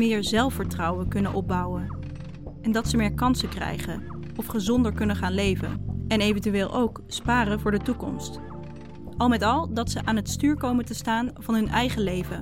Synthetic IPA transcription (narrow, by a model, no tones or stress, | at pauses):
ɪːɹzɛlˠfəɹtrɑwəkɵnənʔɔb̚bʌwən | ɛndɑtsəmɪːɹkɑnsəkrɛ̰jχən | ɔfχəzɔndəɹkɵnəχaːnlejvə̰nɛnejvəntyʋɪːlˠʔowk | spaːrənvʊːɹdətukɔ̰mst | ʔɑlˠmɛtɑlˠdɑtsəʔaːnɦətstyːɹkowməntəstaːnvɑnɦɵnʔɛjχəlejvə